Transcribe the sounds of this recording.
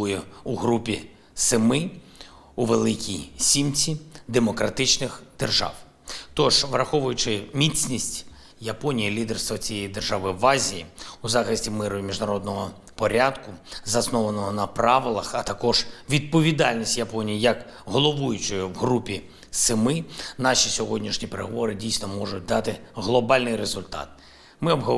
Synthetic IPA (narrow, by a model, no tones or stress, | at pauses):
jɛuɦɾupʲi | sɪmɪ | uʋelˠɪkʲijsʲimt͡sʲid̪emɔkɾɐt̪ɪt͡ʃnɪxd̪̥erʒɑ̰w | t̪ɔʒʋrɐxɔʋʊjʊt͡ʃɪmʲit͡sʲnʲisʲtʲ | jɐpɔnʲijilʲid̪erst̪ʋɔt͡sʲijejid̪erʒɑʋɪʋɑzʲijiuzɑxɪsʲtʲimɪɾʊjmʲiʒnɐɾɔd̪nɔɦɔ | pɔɾʲad̪kʊzɐsnɔʋɐnɔɦɔnɐpɾɑʋɪlˠɐxɐt̪ɐkɔʒ̥ʋʲid̪̚pɔʋʲid̪ɑlʲnʲisʲtʲjɐpɔnʲijijɐk | ɦɔlˠɔʋujʊt͡ʃɔjwɦɾupʲi | sɪmɪnɑʃʲisʲɔɦɔdʲnʲiʃnʲipeɾeɦɔʋɔɾɪdʲijsnɔmɔʐʊt̚ʲd̪ɑt̪ɪɦlˠɔbɑlʲnɪjɾezʊlʲt̪ɑ̰t̪̚ | mɪɔbɦɔ